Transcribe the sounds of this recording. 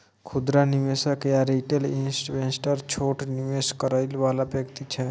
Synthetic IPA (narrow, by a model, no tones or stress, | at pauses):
kʰud̪ɾaniʋesəkjaɾiʈelinsʈʋensʈəɾt͡ʃʰoʈniʋeskəɾəɪlʋalabəkt̪it͡ʃʰɛ